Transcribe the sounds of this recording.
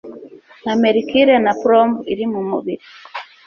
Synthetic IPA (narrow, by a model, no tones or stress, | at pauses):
namɛɾikiɾɛnapɾɔmbiɾimumuβiɾi